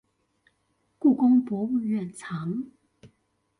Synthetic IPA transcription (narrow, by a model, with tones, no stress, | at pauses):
ku˥˩kʊ˥ŋpwɔ˧˥u˥˧ɥɛ˥˩nt͡sʰɑ˨˧˥ŋ